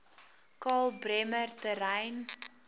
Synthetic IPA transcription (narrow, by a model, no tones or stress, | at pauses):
kɑːlˠbɾɛmərtəɾɛjn